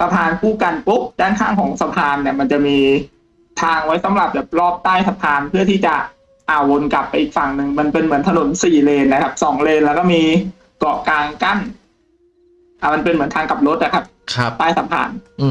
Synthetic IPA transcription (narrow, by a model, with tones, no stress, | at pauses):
sa˧pʰaː˧nkuː˥˩ka˧npu˦˥p̚daː˥˩nkʰaː˥˩ŋkʰɔː˩˦ŋsa˧pʰaː˧nːi˧˩ɐma˧nt͡ɕa˨˩ʔmiː˧ | t̪ʰaː˧ŋwa˦˥jsa˩˦mɾa˨˩p̚bɛː˨˩p̚lɔː˥˩p̚t̪aː˥˩jsa˧pʰaː˧npʰɯ˥˩t̪ʰiː˥˩t͡ɕa˨˩ | ʔaː˨˩wo˧nka˨˩pːa˧jʔiː˨˩k̚fa˨˩ŋnɯ˨˩ŋma˧npe˧nmɯ˩˦ənt̪ʰa˧no˨˩˦nsiː˨˩leː˧nːa˦˥kʰa˦˥p̚sɔː˩˦ŋleː˧nlɛ˦˥wkɔː˥˩miː˧ | kɔ˨˩kaː˧ŋka˥˩n | ʔa˨˩ma˧npe˧nmɯ˩˦nt̪ʰaː˧ŋka˨˩p̚ɾo˦˥t̪̚ʔla˨˩kʰa˦˥p̚kʰt̪aː˥˩jsa˨˧pʰa̰ː˧n